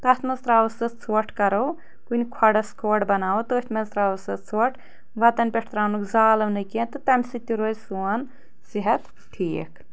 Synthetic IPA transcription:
t̪ɐt̪ʰmɐzt̪ɾaːʋɐsɐt̪t͡sʰoːʈʰkɐɾɐw | kunʲkʰɐɖɐskʰoːɽbɐnaːut̪oːt̪ʰʲmɐzt̪ɾaːʋɐsɐtt͡sʰoːʈʰ | ʋɐt̪ɐnʲpʲeʈʰt̪ɾaːnukzaːlɐʋnɐkent̪ɨt̪ɐmʲsit̪ʲːiɾoːzʲsuɐn | siɦɐt̪ | ʈʰiːkʰ

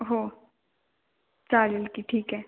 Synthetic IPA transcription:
ɦoː | t͡ʃaːlɪlkiʈʰiːkɦɛː

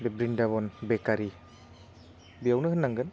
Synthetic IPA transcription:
bebɾindabɔnbekaɾi | biawnɯɦɯnːaŋɡɯn

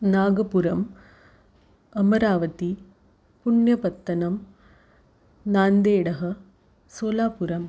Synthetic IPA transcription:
naːɡɐpuɾɐm | ɐmɐɾaːʋɐt̪i | pʊɳjɐpɐt̪ːɐnɐm | naːnd̪eːɽɐɦɐ | soːlaːpʊɾɐm

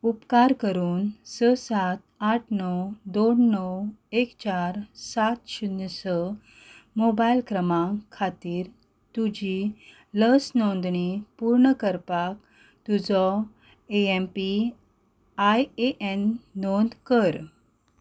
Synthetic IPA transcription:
upkaɾkəɾuːnsəsat̪̚aʈʰnɔwd̪onːɔwekt͡ɕaɾsat̪ɕunəsə | mobajlkɾəmãkʰːat̪iːɾ | t̪ud͡ʑi | ləsnɔnd̪ɳipuɾɳəkəɾpak | t̪ud͡zɔ | eempi | ajeʔenːɔnd̪kəɾ

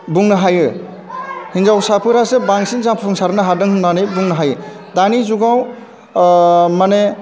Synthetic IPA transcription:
buŋnɯɦajɯ | hinzawsapʰɯɾasebaŋsinzapʰpʰuŋsaɾɯnaɦaɾdɯŋhɯndanɯjbuŋnɯɦajɯ | danizuɡaw | mane

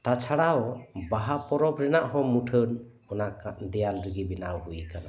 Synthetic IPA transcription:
t̪at͡ʃʰaɽaɔbaɦapɔɾɔp̚ɾɛnaʔɦɔmuʈʰən | ɔnakad̪ɛjalɾiɡibinawɦujkana

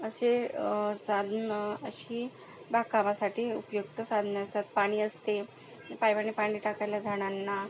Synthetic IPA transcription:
əsesad̪ʱnəəɕiː | bakamasaʈiːṵpjukt̪əsad̪ʱnəəst̪at̪̚paɽ̃iːəst̪e | pajʋanepaɽ̃iːʈakajlad͡zʱaɽ̃anːa

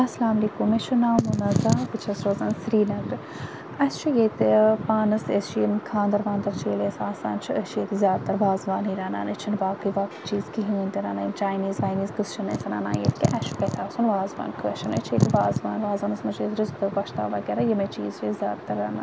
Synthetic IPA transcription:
ɐsɐlaːmɐliːkumːet͡ʃʰunaːmunɐzaːbɨt͡ʃʰɐsɾoːzaːnsɾiːnɐɡɾ | ɐst͡ʃʰijet̪paːnɐsest͡ʃʰjinkʰãːnd̪ɐɾʋaːnd̪ɐɾt͡ʃiːlesaːsa̰ːnt͡ʃʰiʔəʃet̪izʲjaːd̪̚t̪ɐɾʋaːzʋaːnɦiːɾaːna̰ːnet͡ʃʰinʋaːkɨjʋaːkɨt͡ʃiːzkiɦɨːnʲd̪ʲiɾaːnɐint͡ʃaːjniːzʋaːjniːzɡɨst͡ʃʰɐneːsɐna̰ːna̰ːjḛt̪ʰkiʔɐʃʰu̥kɐt̪ʲʰaːsunʋaːzʋa̰ːnkʰəːʃʰɐnɐ̰t͡ʃʰeːt̪iʋaːzʋaːnʋaːzɐːnɐsmɐt͡ʃet̪ɾɨzkd̪ɨkɐʃt̪a̰ːʋɐɡeːɾajɐmet͡ʃiːzt͡ʃezʲjaːd̪t̪ɐɾːaːna̰ːnn

